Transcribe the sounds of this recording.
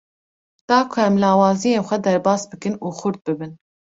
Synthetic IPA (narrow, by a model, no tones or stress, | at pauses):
d̪̥ɑːkʰʊɛmlɑːwɑːzijeːnxʷɛd̪ɛɾbɑːsbɨkɨnuːxʊɾd̪̚bɨbɨn